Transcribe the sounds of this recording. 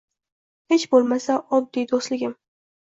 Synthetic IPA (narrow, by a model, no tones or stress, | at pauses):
he̞t͡ʃbolˠmasaʔɒb̚d̪id̪oslɪɡʲɪm